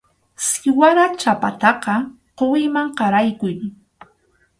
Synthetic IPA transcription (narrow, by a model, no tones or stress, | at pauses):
sɪwaɾat͡ʃapat̪ɑqɑ | qowɪjmaŋqɑɾajkʊj